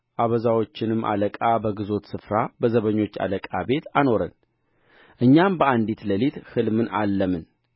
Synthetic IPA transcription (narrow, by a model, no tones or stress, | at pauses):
ʔaβəzawo̞t͡ʃːɪnɨmːʔa̰ləkʼabəɡɨzo̞t̪sɨfɾabəzəβəɲːo̞t͡ʃːa̰ləkʼabe̞t̪ʰano̞ɾə̰n | ʔɨɲːambəʔand̪it̪ləlit̪hɨlmɨnalːəmɨn